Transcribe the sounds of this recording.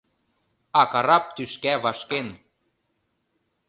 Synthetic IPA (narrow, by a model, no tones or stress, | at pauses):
ɑkɑɾɑp̚t̪yʃkæβɑʃken